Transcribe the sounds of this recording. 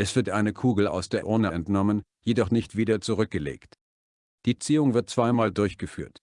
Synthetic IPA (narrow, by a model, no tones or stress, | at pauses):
ʔɛsv̥ɪɐtʔaɪnəkʰuːɡl̩a̰ʊsd̥eːɐʔʊɐnaɛntnɔmən | jedɔχnɪçtv̥iːdɐt͡suʁʏk̚ɡ̥əlḛːkt | d̥iːt͡siːʊŋvɪɐt̚t͡sv̥aɪmaːldʊɐçɡ̥əfy̰ːɐt